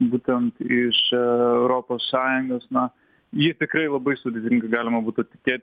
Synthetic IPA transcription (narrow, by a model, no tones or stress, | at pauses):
buːt̪ʲɛnt̪ɪʃɛʊɾoːpoːssɑːjʊŋɡoːsnɐ | jiɛt̪ʲɪkɾɐɪlˠɐbɐɪsʊd̪ʲeːt̪ʲɪŋɡɐɡɑːlʲɪmɐbuːt̪ʊt̪ʲɪ̥kʲeːt̪ʲ